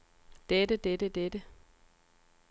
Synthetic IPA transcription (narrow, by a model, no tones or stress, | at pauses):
d̥edəd̥edəd̥edə